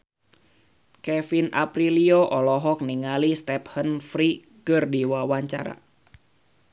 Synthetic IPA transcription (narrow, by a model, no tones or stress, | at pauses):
kɛfina̰pɾilioʔɔlɔɦɔk̚niŋalist̪ɛp̚hənfɾi | kɨrdiwawaɲt͡ʃa̰ɾa̰